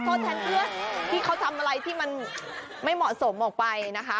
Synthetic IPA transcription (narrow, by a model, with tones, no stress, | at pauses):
t̪ʰɔː˥˩t͡ɕ̪ʰaː˥˩npʰɯ˥˩ɐt̪ʰiː˥˩kʰa˦˥wt̪ʰa˧mʔa˧ɾa˧jt̪ʰiː˥˩ma˧n | ma˥˩jmɔ˨˩so˩˦mʔɔː˨˩k̚pa˧jna˦˥kʰa˦˥